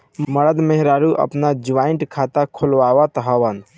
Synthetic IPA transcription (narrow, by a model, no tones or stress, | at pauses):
məɽəd̪meɦɾaɾuʔə̰pnad͡ʒʋaiʈkʰat̪akʰolʋaʋat̪ɦəʋən